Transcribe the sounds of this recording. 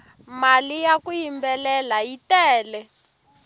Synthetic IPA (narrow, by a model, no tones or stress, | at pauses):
malijakujimbɛlɛlajitɛːlɛ